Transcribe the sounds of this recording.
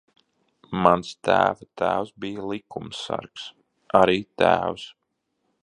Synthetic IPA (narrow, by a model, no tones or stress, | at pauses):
manst̪æːvat̪æːwsbijalˠikumsa̰ɾks | aɾiːt̪æːws